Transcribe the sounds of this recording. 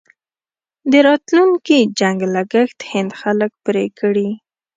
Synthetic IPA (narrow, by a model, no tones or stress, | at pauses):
d̪əɾɑt̪lunkid͡ʒaŋɡlaɡəxt̪hɪnd̪xalək̚pɾekɽi